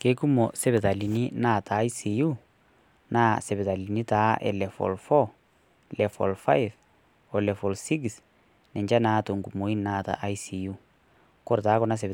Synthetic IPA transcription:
ke˦ku˦mɔ˨sɛ˦bɛ˨ta˨li˨ni˦na˦˨taː˨˦jsi˨ju | nʔa˦sɛ˨bɛ˨ta˨li˨ni˦taː˦ʔɛ̰˨lɛ˨fɔ̰˨lfɔ˦ | lɛ˨fɔ̰˨lfa̰˦jf | ɔlɛ˨fɔ˨lsi˦ks | nɛ˨ɲd͡ʒa˦naː˦to˨ŋɡu˨mo˨i˦nnaː˦ta̰˨ʔa˦jsi˨ju˦ | kɔ˦ɾtaː˨˦kɔnas̬ɛ˨b

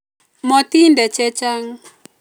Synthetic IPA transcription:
mɔ˨t̪i˦ndɛ˨t͡ʃɛ˦t͡ʃa˦ŋ

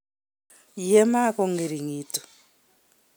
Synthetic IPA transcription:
jɛ˦ma˦kɔ˦ŋɡe˨ɾi˨ŋiː˨tu̥˨

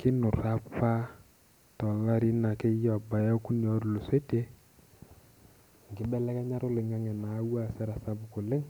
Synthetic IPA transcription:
kɪ˦nʊ˨ɾa˦pa˦ | tɔ˨la˦ɾi˦na˨ke˦jɔ˨ba˨ja˦ku˦n˨ɔ˨˦ɾu˨lo˨se˦te˦ | ŋɡɪ˦bɛ˦lɛ˦kɛ˦ɲa˦ɾʊ˦lɪ˨ŋa˦ŋɛ˨na˨˦wa˦˨sɛ˦ɾa˨sa˦bʊ˨kʊ˨lɪ˦ŋ

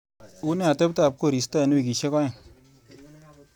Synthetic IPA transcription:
u˦ne˦a˨te˦pta˦˨p̚ko˦˨ɾi˨sta˦˨n˦i˦˨k̬i˨ʃe˦kɔ˦ɲe˨

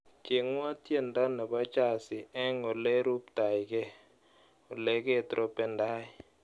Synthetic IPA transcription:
kɪ˨ŋwa˦tje˦˨nda˦nɛ˨ba˦t͡ʃa˦˨sɪ˨ɛ˦ŋo˨lɛ˦ɾu˦pta˨jkɛ˦ | o˨le˨˦ke˦˨t̪ɾʔo˦pɛ˨nda˦ɪ˦˨

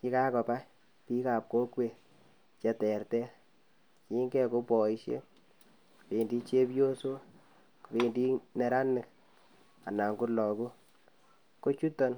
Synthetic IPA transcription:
ki˦ka˦kɔ˨pa˦ | pi˦ka˨p̚ko˦kwe˨ | t͡ʃɛ˨tɛ˨ɾtɛ˦ | ki˦ŋɡɛ˦ko˦pɔ˨i˦ʃjḛ˦ | kpe˨ndi˦t͡ʃe˦pjo˦so˦ | ku˨pe˨ndi˦ne˨ɾa˦nɪ˨k̚ | a̰˨na˨ŋɡu˦lɔ˨ku˦ | ko˦t͡ʃu˦tɔ˦n

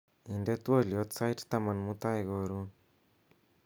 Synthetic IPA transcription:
i˨nde˦t̪wo˦ljot͡sa˦jtt̪ama˨nmu˦t̪a˦iɣo˨ɾu˦

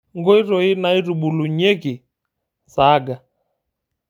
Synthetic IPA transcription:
ŋɡɔ˦i˦ɾɔ˨i˦na˨i˦ɾu˨ɓu˨lu˨ɲe˦ɡi˨ | za˦ɡa˨

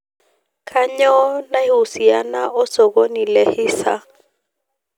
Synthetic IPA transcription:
kʰa˦ɲɔ˦na˦i˦u˨si˨a˦na˦ʔɔ˦sɔ˨ko˦ni˨lɛ˦hiː˦sa̰˦

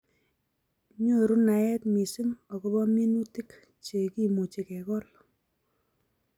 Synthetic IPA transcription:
ɲo˦˨ɾu˦na˨ɛ˦tmi˨si˦ŋɔ˨kɔ˦bɔ˦mi˦nu˦ti˦k | t͡ʃe˨ki˦mo˨t͡ʃi˨kɛ˨kɔ˦l

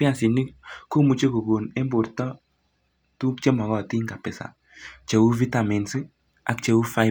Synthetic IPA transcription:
pja˨si˨ni˦ko˦mu˨t͡ʃe˦ku˨ɡo˨ne˦mbo˨ɾtɔ˦ | tu˦k̚t͡ʃe˦mɔ˨ɣɔ˨ti˦ŋɡa˨pɪ˨sa̰˨ | t͡ʃe˨wu˦vi˦ta˨mi˨nsi˦ | a̰˨k̚t͡ʃe˨wu˦fa˦

